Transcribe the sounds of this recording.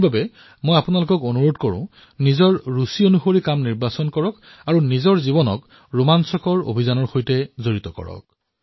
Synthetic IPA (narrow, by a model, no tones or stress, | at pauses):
babɛ | mojapunalʊkɔkonuɹodkoɹʊ̰̃ | nizɔɹːusionuxoɹikamniɹbasɔnkɔɹɔk | aɹunizɔɹzibɔnɔ̰k | ɹumansɔkɔɹo̰bʱizanɔɹxojtɛzoɹitɔkɔ̰ɹɔ̰k̚